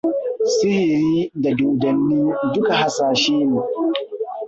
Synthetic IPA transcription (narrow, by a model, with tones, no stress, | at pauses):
sɪ˦hɪ˨ɾiː˦da˨doː˨dɐ˨nːiː˦dʊ˦ka˨ha˨saː˨ʃeː˦neː˨